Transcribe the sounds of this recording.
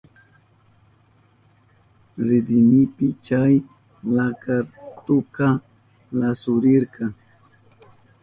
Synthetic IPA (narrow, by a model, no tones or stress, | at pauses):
ɾɪd̪ɪnɪpɪt͡ʃaj | lakaɾt̪ʊka | lasʊɾɪɾkɑŋ